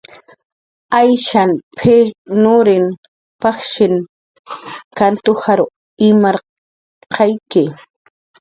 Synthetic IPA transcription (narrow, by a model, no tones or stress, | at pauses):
ajʃanpʰenʊɾɪn | paχʃɪn | kant̪ʊhaɾʊ | ɪmaɾ | qʰɑjkɪ